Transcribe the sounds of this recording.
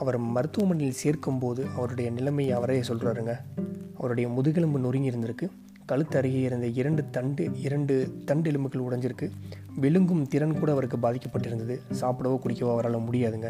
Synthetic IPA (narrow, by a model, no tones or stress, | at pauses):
ɐʋɐɾmɐɾɯt̪ːɯʋɐmɐnːɪjɪlseːɾkɯmpoːðɯʔɐʋɐɾɯɽɐjɐnɪlɐmɐjɐʋɐɾɐjesɔlraːɾɯŋɡɐɐʋɐɾɯɽɐjɐmʊðɯɣɪɭɯmbɯnʊrɪŋɡɪɾɯnd̪ɐɾɯkːɯ | kɐɻɯt̪ːɐɾɪɣɐɪɾɯnd̪ɐɪɾɐɳɖɯt̪ɐɳɖɯɪɾɐɳɖɯt̪ɐɳɖɛɭɯmɯɣɐɭʊɽɐɲd͡ʒɪɾɯkːɯ | ʋɛɭɯŋɡɯmt̪ɪɾɐnkuːɽɐɐʋɐɾɯkːɯbaːðɪkːɐpːɐʈːɪɾɯnd̪ɐðɯsaːpɯɽɐʋoːkʊɽɪkːɐʋoːɐʋɐɾaːɭɐmʊɽɪjaːðɯŋɡɐ